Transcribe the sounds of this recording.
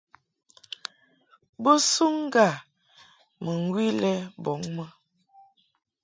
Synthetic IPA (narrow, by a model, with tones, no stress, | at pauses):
bə˦su˦ŋ˦ɡa˦˨ | mə˨ŋ˦ɡwi˦lɛ˦bɔ˨˦ŋmə˦